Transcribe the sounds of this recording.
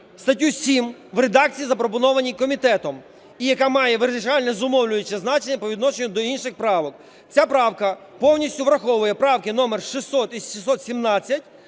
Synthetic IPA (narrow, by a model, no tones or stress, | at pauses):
st̪ɐtʲːusʲimʋɾed̪ɑk̚t͡sʲijizɐpɾɔpɔnɔʋɐnʲikɔmʲit̪ɛt̪ɔm | ijɐkamɑjɛʋɪɾzʲɪt͡ʃɑlʲnɛzʊmɔwlʲʊjet͡ʃːɛznɑt͡ʃenʲːɐpɔʋʲid̪nɔʃenʲʊd̪ɔinʃɪxpɾɑʋɔk̚ | t͡sʲapɾɑwkɐ | pɔwnʲisʲtʲʊʋɾɐxɔʋʊjɛpɾɑwkɪnɔmerʃisɔt̪iʃisɔt̪sʲimnɑt͡sʲːɐtʲ